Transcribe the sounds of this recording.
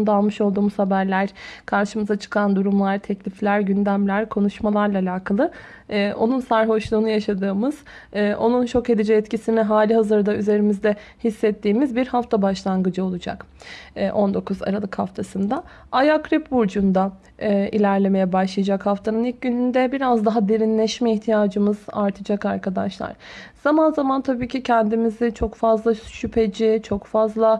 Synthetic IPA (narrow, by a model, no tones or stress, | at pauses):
nd̪alˠmɯʃo̞lˠd̪uːmuz̥habæɾlʲæɾkʰaɾʃɯmɯzat͡ʃʰɯ̥kʰand̪uɾumlˠaɾt̪ʰɛclʲiflʲæɾɟynd̪æmlʲæɾkʰo̞nuʃmalˠaɾlˠaːlʲaːkʰalˠɯː | ʔo̞̰nunsaɾɦo̞ʃlˠuːnujaʃad̪ɯːmɯz̥ː | ʔo̞nunt͡ʃʰo̞ke̞d̪id͡ʒɛːt̪cisinɛɦaːlʲiɦazɯɾd̪ayze̞ɾimizd̪ɛ | hisːɛt̪ːiːmizbiɾhaft̪ʰabaʃlˠanɡɯd͡ʒɯo̞lˠud͡ʒa̰kː | ʔo̞nd̪o̞kʰuza̰ɾalˠɯkhaft̪ʰasɯnd̪a | ajakʰɾipbuɾd͡ʒund̪aː | ʔḭlʲæɾlʲe̞me̞jɛbaʃlˠɯjad͡ʒakhaft̪ʰanɯnilc̚ɟynynd̪ɛbiɾazd̪aɦad̪eɾinlʲɛʃmɛiçt̪ʰijaːd͡ʒɯmɯz̥a̰ɾt̪ʰɯd͡ʒakaɾkʰad̪a̰ʃlˠa̰ɾ̥z̥amanzamant̪ʰabiːcʰicʰɛnd̪imizit͡ʃʰo̞kfazlˠaʃypʰe̞d͡ʒit͡ʃʰo̞kfazlˠa